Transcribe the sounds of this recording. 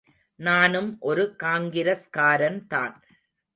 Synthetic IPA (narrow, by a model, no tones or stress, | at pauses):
naːnɯmʔɔɾɯkaːŋɡɪɾɐskaːɾɐnt̪a̰ːn